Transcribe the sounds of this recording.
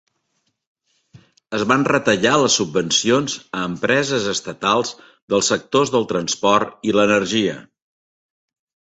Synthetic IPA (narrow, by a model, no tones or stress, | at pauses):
əzβanrət̪əʎaləsːubːənsionzəːmpɾɛzəzəst̪ət̪alˠz | ðəlˠsːək̚t̪ozðəlˠt̪ɾənspɔrt̪ilənərʒiə̰